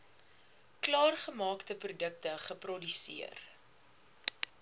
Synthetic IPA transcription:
klɑːrχəmɑːktəprudək̚təχəprɔdysḭər

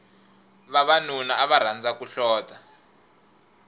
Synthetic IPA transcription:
βaβanunaaβaɾ̤and͡zakuɬɔːta

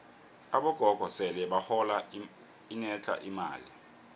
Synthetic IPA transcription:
aɓɔɡ̥ʱɔɡ̥ʱɔsɛlɛɓahɔla | inɛt͡ɬʰʼa̰ʔima̰ːli

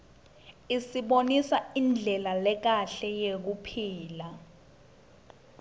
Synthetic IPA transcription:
isiɓonisaind͡ɮʱɛlalɛk̬aɬɛjek̬upʰiːla

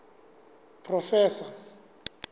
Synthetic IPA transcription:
pʰʼrɔfɛːsa

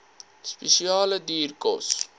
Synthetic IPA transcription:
spesiɑːlədiːrkɔs

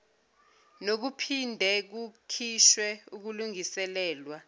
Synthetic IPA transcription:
nok̬upʰindʱɛk̬ukʰiʃwɛuk̬uluŋisɛlɛːlwa

